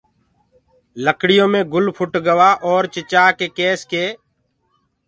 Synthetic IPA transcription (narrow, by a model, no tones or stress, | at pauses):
ləkɽɪjõːmẽːɡʊlpʰʊʈɡəʋaːʔɔːɾt͡ʃɪt͡ʃaːkeːkeːskeː